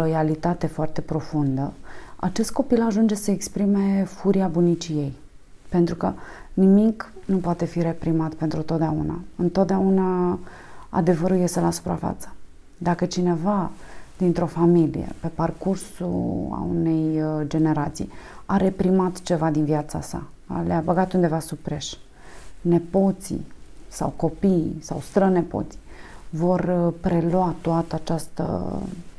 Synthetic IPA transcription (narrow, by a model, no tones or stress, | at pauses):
lo̞jalit̪at̪e̞foart̪e̞pɾo̞fund̪əa̰t͡ʃe̞st̪̚ko̞pilaʒund͡ʒe̞səekspɾime̞fuɾiabunit͡ʃije̞j | pent̪ɾukənimiknupoat̪e̞fiɾe̞pɾimat̪pe̞nt̪ɾut̪ot̪̚d̪eaṵna̰ɨnt̪o̞t̪̚d̪eauna | a̰d̪e̞vəɾulje̞st̪e̞lasu̥pɾa̰fa̰t̪sə̥ | d̪akət͡ʃine̞vad̪̥int̪ɾo̞familḭjḛpe̞parkursṵa̰une̞jd͡ʒe̞ne̞ɾat̪sḭjaɾe̞pɾimat̪t͡ʃe̞vad̪inviat̪sasa̰ | leabəɡat̪und̪e̞vasupɾe̞ʃ | ne̞po̞t̪sḭsa̰wko̞pisawst̪ɾəne̞po̞̰t̪si̥vo̞rpɾe̞lwat̪oat̪əat͡ʃast̪ə̰